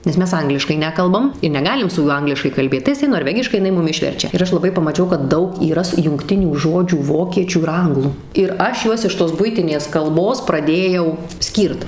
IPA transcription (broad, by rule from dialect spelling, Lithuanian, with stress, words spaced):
nʲɛs ˈmʲɛs ˈɐŋɡlʲɪʃkɐɪ ˈnʲæːkɐlˠbɐm ɪ nʲɛˈɡɑːlʲɪm sʊ ˈjuɔ ˈɐŋɡlʲɪʃkɐɪ kɐlʲˈbʲeːt tɐɪ jɪˈsɐɪ noːrʲˈʋʲæːɡʲɪʃkɐɪ ɪˈnɐɪ ˈmʊm ˈɪʃʲʋʲɛrʲt͡ʃʲɛ ɪr ˈɐʃ lˠɐˈbɐɪ pɐmɐˈt͡ʃʲɛʊ kɐt ˈdɐʊk iːˈrɐs jʊŋkˈtʲɪnʲuː ˈʒoːd͡ʒʲuː ˈʋoːkʲiɛt͡ʃʲuː ɪr ˈɐŋɡlˠuː ɪr ˈɐʃ ˈjuɔs ɪʃ toːs ˈbʊɪtʲɪnʲeːs ˈkɐlˠboːs prɐˈdʲeːjɛʊ ˈsʲkʲiːrt